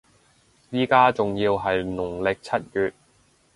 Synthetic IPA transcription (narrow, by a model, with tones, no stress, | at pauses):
jiː˥kaː˥t͡sʊ˨ŋjiː˧wɦɐ˨jnʊ˨˩ŋlɪ˨k̚t͡sʰɐ˥t̚kyː˨t̚